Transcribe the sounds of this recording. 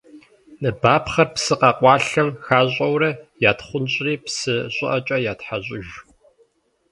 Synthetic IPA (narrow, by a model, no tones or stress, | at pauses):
nɨbaːpχɐrpsɨqɑqʷʼɑːɬɐmxaːʑʼɐwɾɐjaːtχʷʊnɕʼriːpsɨɕʷʼɪʔɐt͡ʃʼɐjaːtħaɕʷʼɪʒ